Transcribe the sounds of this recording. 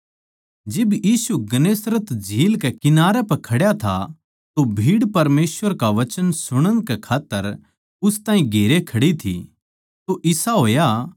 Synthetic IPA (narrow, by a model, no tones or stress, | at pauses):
d͡ʒɪbjiːsuɡɐneːsɾət̪d͡ʒʱiːlkɛkɪnaːɾɛpɐkʰɐɽjat̪ʰa̰ | t̪obʱiːɽpɐɾmeːsʋəɾkaʋɐt͡ʃənsʊɽ̃əñkɛkʰaːt̪ːəɾ | ʊst̪ãːɦĩɡʱeːɾekʰɐɽit̪ʰḭ | t̪oʔɪsaɦoːja